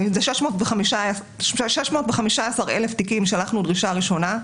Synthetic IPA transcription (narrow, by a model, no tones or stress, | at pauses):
zeʃeʃmo̞ːtveχamiʃa | ʃeʃmo̞ːtveχamiʃaasaʁele̞ftikimʃalaχnudʁiʃaːʁiʃo̞na